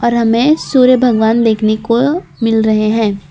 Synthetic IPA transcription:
ɔːɾɦɐmẽsuːɾjəbʱɐɡʋaːnd̪eːkʰnekomɪlɾɐɦeɦɛ̃ː

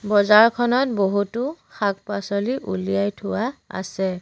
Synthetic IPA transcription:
bɔzaɹkʰɔnɔt̚boɦutʊxak̚pasɔliʔulijajtʰʊwaa̰sɛ

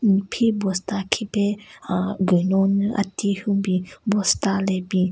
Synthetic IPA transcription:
nipʰibɔstakʰipe | ɡɯnɔnɯʔa̰tihubibɔstalebi

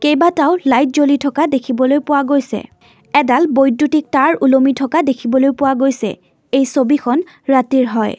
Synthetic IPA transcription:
kejbataʊlajt̚zolitʰɔkadekʰibɔlojpʊwaɡojsɛ̰ | ɛdalbojdːutik̚taɹulomitʰɔkadekʰibɔlojpʊwaɡojsɛ̰ | ejsobikʰɔn | ɹatiɹɦɔj

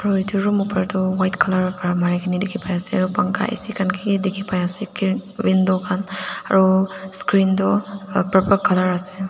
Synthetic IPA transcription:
aɾuit̪ʰiɾumupəɾd̪ɔwajtkʰalaɾpɾamaɾikʰinidekʰipajaseaɾupaŋka̰ʔḭsikʰankʰiɡidekʰipajasekiwindɔkʰana̰ɾuskɾind̪ɔpɾəpəɾkʰːalaɾase

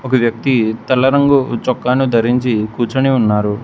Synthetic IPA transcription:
ɔkɐʋjɐk̚t̪it̪ɐlːɐɾɐŋɡut͡ʃɔkːaːnud̪ʱɐɾiɲt͡ʃikuːt͡ʃɐniunːaːɾu

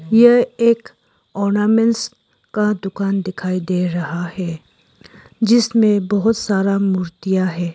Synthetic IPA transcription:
jeeːk | ɔːɾnaːmɛ̃ns | kad̪ʊkaːnd̪ɪkʰaːid̪eːɾɐɦahɛː | d͡ʒɪsmẽbɐɦʊt̪saːɾamuːɾt̪ijaɦɛː

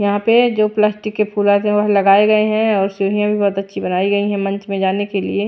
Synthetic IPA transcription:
jɐɦãped͡ʒoːplaːsʈɪkːepʰuːlat̪ɦɛ̃ʋɐɦlɐɡaːeɡɐeɦɛ̃ɔːɾsuːɾ̤ijãbʱibɔːt̪ɐtːʃʰibɐnaːiɡɐiɦɛ̃mɐ̃nt͡ʃmẽd͡ʒaːnekelḭe

